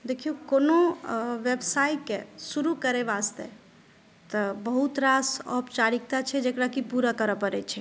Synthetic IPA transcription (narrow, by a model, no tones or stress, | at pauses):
d̪ekʰijukonoʋebsaikesuɾukəɾɛʋast̪ḛ | t̪əbəɦut̪ɾasɔ̰pt͡ʃaɾik̚t̪at͡ʃʰɛd͡ʒekɾakipuɾakəɾəpəɾɛt͡ʃʰɛ